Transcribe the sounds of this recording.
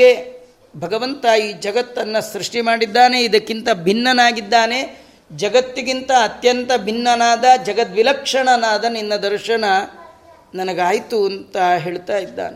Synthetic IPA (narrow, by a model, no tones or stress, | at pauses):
e | bʱɐɡɐʋɐnt̪aiːd͡ʒɐɡɐt̪ːɐnːɐsɾuʂʈimaːɽid̪ːaːne̞id̪ɐkːint̪ɐbʱinːɐnaːɡid̪ːaːne̞ | d͡ʒɐɡɐt̪ːiɡint̪ɐːt̪jɐnt̪ɐbʱinːɐnaːd̪ɐd͡ʒɐɡɐt̪ʋilɐkʂɐɳɐnaːd̪ɐninːɐd̪ɐɾʃɐɳɐ | nɐnɐɡaːjt̪uɐnt̪ɐɦe̞ːɭt̪aːjid̪ːa̰ːne